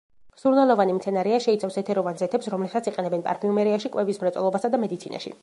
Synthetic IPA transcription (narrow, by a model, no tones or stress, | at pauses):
msuɾnalˠɔvanimt̪sʰɛnaɾɛaʃɛit̪sʰafsɛt̪ʰɛɾɔvanzɛt̪ʰɛpsɾɔmlɛpsat̪sʰiqʼɛnɛbɛnpʼa̰ɾpʰiumɛɾiaʃikʼwɛvismɾɛt̪sʼɛ̰lˠɔbasad̪amɛd̪it̪sʰina̰ʃḭ